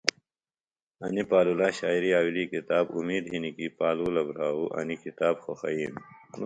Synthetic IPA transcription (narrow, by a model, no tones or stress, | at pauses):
ɐnipaːlulaːɕaːiɾiaːwiliːkit̪aːbumiːd̪ɦinikipaːluːlɐbɾaːuʔɐ̰nikit̪aːbxoxɐiːn